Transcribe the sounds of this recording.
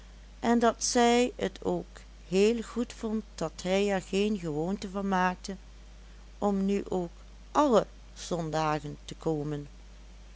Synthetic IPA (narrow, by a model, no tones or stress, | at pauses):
ʔɛndɑtsɛjətʰoːk | ɦeːlˠɣutfɔntdɑtɦɛjɛɹɣejnɣəʋoːntəvɑnmaːk̚tə | ʔɔmnyʔoːk | ʔɑlə | z̥ɔndaːɣəntəkoːmən